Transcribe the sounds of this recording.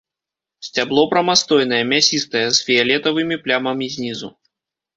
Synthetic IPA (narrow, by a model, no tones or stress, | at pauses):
sʲt͡sʲablˠɔpɾɐmast̪ɔjn̪ɐjɛmʲasʲist̪ɐjɛzfʲijalʲɛt̪ɐvɨmʲiplʲamɐmʲizʲnʲizṵ